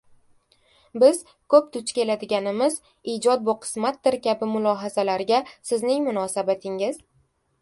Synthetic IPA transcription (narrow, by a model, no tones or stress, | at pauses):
bɪz̥ | kʰɵp̚t̪ʰʊt͡ʃkʲe̞lad̪ɪɡʲanɪmɪz | id͡ʒɒd̪̚bʊqʰɨ̥smat̪̚d̪ɪɾkʲʰabɪmʊlˠɒːɦazalaɾɪɡʲasɪznɪŋmʊnɒːsabat̪ʰɪŋɪz̥